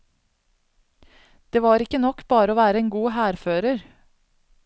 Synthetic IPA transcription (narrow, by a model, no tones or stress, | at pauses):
d̪̥eːʋɑːɾɪkənɔkbɑːɾəoːʋæːɾəeːnɡuːhæːɾføːɾəɾ